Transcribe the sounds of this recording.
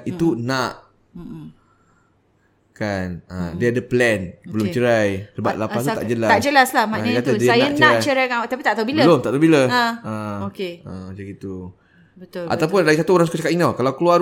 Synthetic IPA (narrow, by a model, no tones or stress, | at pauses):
it̪unaʔ | kanədiadəplɛnbəlʊmt͡ʃəɾajsəba̰ʔ̪lapast̪ut̪aʔd͡ʒəlaad͡ʒəlaslahmakat̪adiaaj̪aʔnt͡ʃəaɾat͡ʃəɾajkat̪apit̪aʔt̪abiləəlomt̪aʔt̪abiləaəokeəd͡ʒaɡit̪u | bət̪ʊa̰t̪awpʊnlaɡisat̪uoɾaŋsukat͡ʃakat̪iŋnawkalawklua